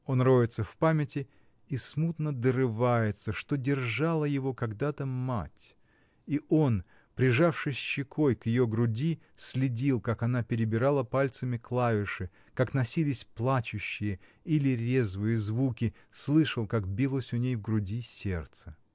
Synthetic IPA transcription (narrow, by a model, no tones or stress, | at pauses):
o̞nrojʲɪt̪səfpamʲɪtʲɪ | ismut̪nəd̪əɾɨvajɪt̪səʂt̪o̞dʲɪrʐalˠəjɪvo̞kɐɡd̪at̪əma̰tʲ | iʔo̞n | pɾʲɪʐafʂɨsʲɕɪkʰo̞jkjɪjo̞ɡɾʊdʲi | sʲlʲɪdʲilˠkakɐnapʲɪɾʲɪbʲɪɾalˠəpalʲt̪səmʲɪklˠavʲɪʂɨ | kaknɐsʲilʲɪsʲplˠat͡ɕʊɕːɪjəilʲɪɾʲezvɨjəzvukʲɪ | slˠɨʂəlˠkakbʲilˠəsʲʊnʲejvɡɾʊdʲisʲert̪sə̥